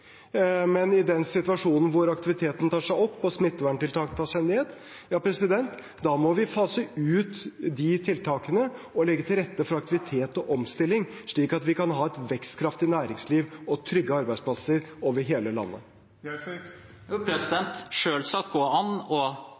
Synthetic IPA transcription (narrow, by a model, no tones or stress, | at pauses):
mɛnɪd̪ɛnsɪt̪ʋɑʂuːnn̩ʋʊɾɑkt̪ɪʋɪt̪ʰeːt̪n̩t̪ʰɑːʂæɪɔpːɔsmɪt̪ːəʋæɳʈɪlt̪ʰɑːk̪t̪ʰɑːʂæɪneːd̪ | jɑːpʰɾɛsɪd̪ɛnt̪ | d̪ɑmɔʋɪfɑːsəʉːt̪d̪ɪt̪ʰɪlt̪ʰɑːkənə | ɔlɛɡːət̪ɪlɾɛt̪ːəfɾɑɑk̚t̪ɪʋɪt̪ʰeːt̪ɔʔɔmst̪ɪlːɪŋ | ʂɭiːkɑt̪ʋɪkɑnɦɑːɛt̪ʋɛkst̪kʰɾɑft̪ɪnæːɾɪŋsliːʋɔt̪ʰɾʏɡːəɑɾbæɪspʰlɑsəɾoːʋəɾɦeːləlɑ̰nːə̰ | pʰɾɛsɪd̪ɛnt̪ʂøːlsɑt̪̚ɡoːɑnɔ